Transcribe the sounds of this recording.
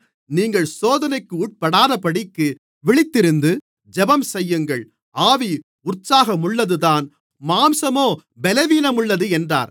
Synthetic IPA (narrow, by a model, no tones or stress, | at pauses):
niːŋɡɐɭsoːðɐnɐɪkːɯuːʈ̚pɐɽaːðɐpɐɽɪkːɯ | ʋɪɭɪt̪ːɪɾɯnd̪ɯ | d͡ʒɛbɐmsɛjːɯŋɡɐɭ | aːʋi | ʊrsaːɣɐmʊɭːɐðɯðaːn | maːmsɐmoː | bɛlɛʋiːnɐmʊɭːɐðɯɛndra̰ːɾ